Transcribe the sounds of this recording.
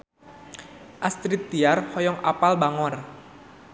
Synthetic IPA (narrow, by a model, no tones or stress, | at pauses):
ʔast̪ɾit̪̚diarhɔjɔŋa̰palbaŋɔr